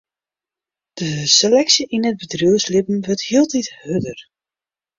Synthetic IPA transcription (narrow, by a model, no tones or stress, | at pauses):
d̥əselɛksiʔinəd̚bədruəslɪpm̩ʋəɹthiəlˠtithødər